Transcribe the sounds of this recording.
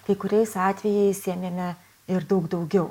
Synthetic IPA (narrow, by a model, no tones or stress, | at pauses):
kɐɪkʊɾʲɛɪsɑːt̪ʲʋʲɛjɛɪsʲiɛmʲeːmʲɛ | ɪɾd̪ɐʊɡd̪ɐʊɡʲɛʊ